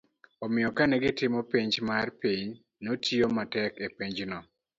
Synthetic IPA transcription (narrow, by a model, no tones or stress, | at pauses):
ɔmɪjɔkanɛɡɪtɪmɔpiɲd͡ʒmarpiɲ | notʰiomatɛkepiɲd͡ʒnɔ